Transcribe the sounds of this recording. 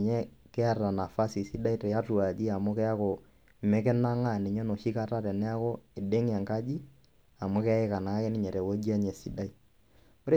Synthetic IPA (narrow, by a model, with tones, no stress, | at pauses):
ɲɛ˦kɛ˦a˦a˨na˨fa˦si˨si˦da˦i˦tɛ˨ja˦tu˨a˨ki˦a˨mo˦kɛ˦a˦ko˨ | mɛ˦kɛ˦na˦ŋa˦˨nɛ˨ɲɔ˦no˨ʃi˦ka˦ta˦tɛ˨nɛ˦a˦ko˦e˨de˦ŋ˦a˨ŋka˦d͡ʒi˦ | a˨mo˦kɛ˦e˦ka˨na˨ka˦ke˦ni˦ɲɛ˨ɾɛ˨wo˦d͡ʒi˦a˦ɲɛ˨si˦da˦i˦ | o˦ɾe˦